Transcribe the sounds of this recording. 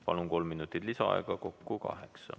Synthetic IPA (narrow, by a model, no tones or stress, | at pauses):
pɑlunko̞lmːinut̪ːˑit̪lisɑ̰ɑ̰eɡ̥ɑko̞kːukɑ̰ɦeksɑ̰